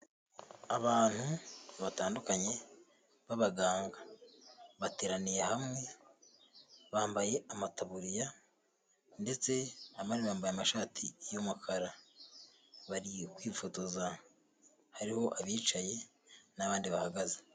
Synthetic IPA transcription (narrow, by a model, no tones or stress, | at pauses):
aβaːn̥huβataːndukaɲe̞ | βaβaɡaːŋɡa | βateːɾanijehamŋe̞ | βaːmbaje̞amataβuɾija | nde̞t͡se̞amaɾiβaːmbajamaʃaːtʰijomakʰaɾa | βaɾikwiːfoto̞za | haɾiho̞ʔaβiːt͡ʃaje̞ | naβaːndiβahaɡaze